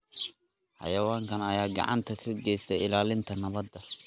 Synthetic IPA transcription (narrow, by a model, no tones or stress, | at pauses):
ħɑ̰jɐwaːŋkʰɐnɐjaːɡɑ̰ʕɑ̰nt̪ʰɐkʰɐɡɛjsɛɪlaːlɪnt̪ʰɐnɐβɐd̪ːɐ